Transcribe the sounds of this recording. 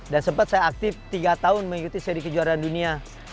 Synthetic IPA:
dansəmpat̪̚sajaːk̚t̪ɪft̪iɡat̪aʊnməŋikut̪isəɾikəd͡ʒuaɾandunia

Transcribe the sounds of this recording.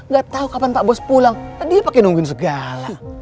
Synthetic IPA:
ŋɡaʔt̪aukapanpaʔbɔspulaŋladiapakɛnuŋɡuɪns̬əɡala

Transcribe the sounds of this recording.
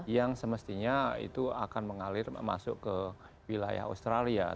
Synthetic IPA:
jaŋsəməst̪iɲaḭt̪ua̰kanməŋalɪrma̰sʊʔkə | wila̰ja̰ɦa̰st̪ɾalia̰

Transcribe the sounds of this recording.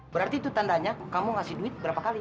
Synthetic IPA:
bəɾart̪iːt̪ut̪andaɲakamuŋasɪhduɪt̪̚bəɾapakali

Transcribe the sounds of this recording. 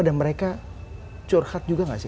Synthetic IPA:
adanməɾeka | t͡ʃɔrhat̪̚d͡ʒuɡaŋasɪ

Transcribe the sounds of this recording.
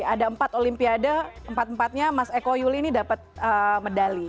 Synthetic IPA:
adaəmpat̪olimpiadəəmpat̪̚əmpat̪̚ɲamasekojuliːnidapət̪̚əmədali

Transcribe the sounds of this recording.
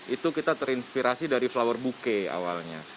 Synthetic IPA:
ʔit̪ukit̪at̪əɾinspiɾasidaɾiflawərbukea̰walɲa

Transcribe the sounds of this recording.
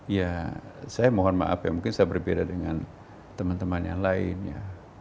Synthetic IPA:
jasajamoɦɔrmat̪a̰pajamuŋkɪnsajabərbedadəŋan | t̪əmant̪əmanja̰ŋlaɪ̰nja̰

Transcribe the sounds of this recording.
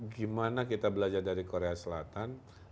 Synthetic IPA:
ɡimanakit̪abəlad͡ʒardaɾikoɾeasəlat̪an

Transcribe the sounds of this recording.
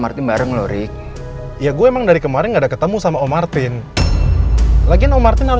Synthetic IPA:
mart̪ɪnbaɾəŋloɾɪk̚ | jaɡuaemaŋdaɾikəmaɾɪnɡaːdakət̪əmusamaomart̪ɪn | laɡinomart̪ɪnhaɾʊ

